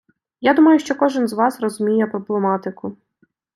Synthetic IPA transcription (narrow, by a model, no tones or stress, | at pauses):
jad̪umɐjʊʃt͡ʃɔkɔʒɪnzʋɑsrɔzʊmʲijɛpɾɔblˠemɑt̪ɪkʊ